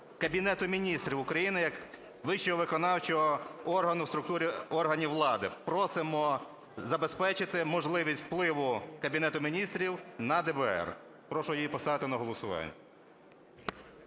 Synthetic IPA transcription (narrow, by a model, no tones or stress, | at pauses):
kɐbʲinɛt̪ʊmʲinʲist̪ɾʲiwʊkɾɐjinɪjɐk | ʋɪʃɔɦɔʋɪkɔnɑwt͡ʃɔɦɔɔrɦɐnʊwst̪ɾʊk̚t̪uɾʲiɔrɦɐnʲiwlˠɑd̪ɪpɾɔsɪmɔ | zɐbespɛt͡ʃɪt̪ɪmɔʒlˠɪʋʲisʲtʲfplˠɪʋʊkɐbʲinɛt̪ʊmʲinʲist̪ɾʲiwnɐd̪ɛbɛɛ̰r | pɾɔʃʊjijipɔst̪ɑʋɪt̪ɪnɐɦɔlˠɔsʊʋɑ̰nʲːɐ